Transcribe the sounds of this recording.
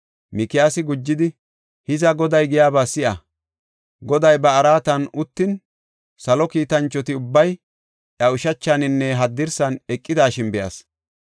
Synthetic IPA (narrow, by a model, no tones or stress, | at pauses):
mɪkɪjaːsɪɡʊd͡ʒːɪd̪ɪ | hɪzɐɡɔd̪ɐjɡɪjaːbaːsɪʔɐ | ɡɔd̪ɐjbɐːɾaːt̪ɐnʊt̪ːɪn | sɐlɔkiːt̪ɐnt͡ʃːɔt̪ɪʊbːɐj | ʔɐʊʃɐt͡ʃːanɪnːɛɦɐd̪ːɪɾsɐnɛkʼːɪd̪aːʃɪnbɛjɐ̰s